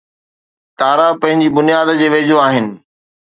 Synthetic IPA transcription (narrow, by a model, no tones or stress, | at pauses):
t̪aːɾapɐ̃ɦɪ̃ɲd͡ʑibʊnijaːd̪d͡ʑeːʋeːd͡ʑoaːɦɪnɪ̆